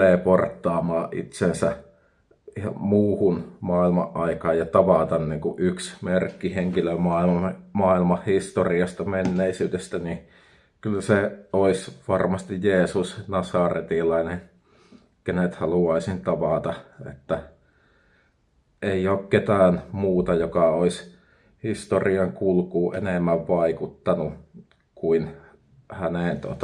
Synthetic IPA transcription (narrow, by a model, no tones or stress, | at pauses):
eːport̪ːɑːmɑːʔʔḭt̪sensæ | ihɑmuːhunmɑːilmɑ̰ʔʔɑikɑːjjɑt̪ɑʋɑˑt̪ɑnniːŋkuʔʔyksmerkːiheŋkilømɑːilmɑmɑːilmɑhhist̪oriɑst̪ɑmenːeisyːdest̪æni | kylːseoisʋɑrmɑst̪ijjeːsusnɑsɑˑret̪ilɑine | kenet̪hɑluɑisint̪ɑʋɑˑt̪ɑḛt̪ːæ | eioːkket̪æːnmuːt̪ɑjokɑois | hist̪oriɑŋkulkuːʔḛneˑmːæʋʋɑikut̪ːɑnu | kuin | hæneˑnt̪o̰t̪ɑ